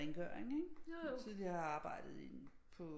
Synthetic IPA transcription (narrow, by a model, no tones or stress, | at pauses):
eŋɡ̥œ̰ːɐ̰eŋeɡ̥sið̩ˠjɑɑ̈ːb̥ɑ̈ɪ̰d̥ð̩ˠin | pʰɔ̽